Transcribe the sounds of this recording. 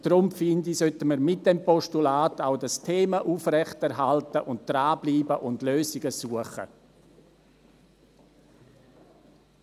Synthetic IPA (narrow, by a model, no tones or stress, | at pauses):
d̥ɾʊmfɪndisœtəməɾmɪt̚d̥ɛmpɔʃtulaːtaʊdastʰeːmaʔuːfrɛçtɛɾɦaltəʔʊnt̚d̥raːbliːbəʔʊndløːsɪɡ̥əsuəχə̰